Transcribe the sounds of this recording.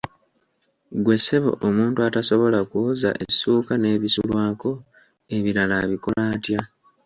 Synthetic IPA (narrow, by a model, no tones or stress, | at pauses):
ɡwe̞se̞βo̰ʔomuːntuataso̞βo̞lakuːza̰ʔesːuːkane̞ːβisulwaːko̞ | e̞βiɾalaβiko̞laːtja